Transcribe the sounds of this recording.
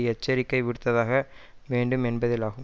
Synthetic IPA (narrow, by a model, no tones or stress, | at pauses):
ɛt͡ʃːɐɾɪkːɐɪʋɪɽɯt̪ːɐðaːɣɐʋeːɳɖɯmɛnbɐðɪlaːɣɯm